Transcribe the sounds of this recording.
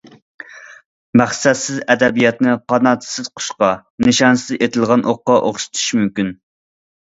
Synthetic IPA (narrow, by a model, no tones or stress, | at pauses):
mæχsɛt̪sɪzɛd̪ɛbijɑt̪nɪqʰɑnɑːt̪ʰɨ̥sɪz̥qʰʊ̥ʃqɑ | nɨʃɑnsɨɪzet̪ʰɪlˠʁɑnʔoqːɑʔoχʃi̥t̪ʰu̥ʃmymkʲyn